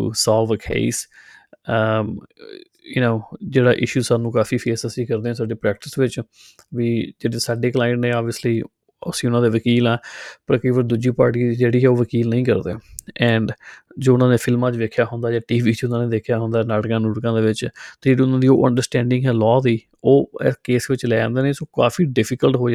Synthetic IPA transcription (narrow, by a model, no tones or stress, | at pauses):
ʈṵsaːlʋəkʰḛːs | jənoːd͡ʒeːɽaːʔɪ̰ʃuːzsaːnũːkaːfʰiːpʰeːsəsĩːkəɾd̪eːɛ̃ːsaːɖeːpɾɛːk̚ʈɪsʋɪt͡ʃ | ʋiːd͡ʒeːɽeːsaːɖeːklaːɪɳnẽːɔːbiəsliː | ə̰sĩːʊnãːd̪eːʋəkiːlɛːpəɾkəiːʋəɾd̪ud͡ʒiːpaːɾʈiːd͡ʒeːɽiːɦɛːoːʋəkiːlnəĩːkəɾd̪ḛːɛ̃ːɳɖd͡ʒoːʊnãːneːfʰɪlmãːt͡ʃʋeːkʰːjaːɦʊnd̪aːd͡ʒaːʈiːʋiːt͡ʃʊnãːneːd̪eːkʰjaːɦʊ̃nd̪aːnaːɽkãːnuːɽkãːd̪eːʋɪt͡ʃt̪ːd͡ʒeːɽiːʊnãːd̪iːo̰ːʔə̰̃ɳɖəɾsʈɛ̃ːɳɖɪ̃ŋɡɦɛːlɔːd̪iː | oːɛ̰keːsʋɪt͡ʃlɛːd͡ʒã̰ːnd̪eːneːsoːka̰ːfiːɖɪpʰɪkəlʈɦoː